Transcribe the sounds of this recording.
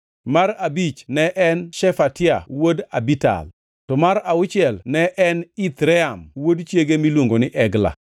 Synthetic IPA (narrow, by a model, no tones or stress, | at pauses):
maɾabit͡ʃnɛʔɛnʃɛfatɪa̰wodabita̰l | tɔmaɾaʊt͡ʃɪɛlnɛʔɛnit̪ɾɛamwodt͡ʃjeɡemilwoŋɡonɪʔɛɡla̰